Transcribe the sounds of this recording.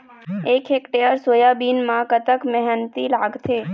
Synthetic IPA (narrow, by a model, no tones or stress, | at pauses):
ekʰekʈeəɾsojabinmãkət̪əkmɛɦənt̪ilaɡt̪ʰe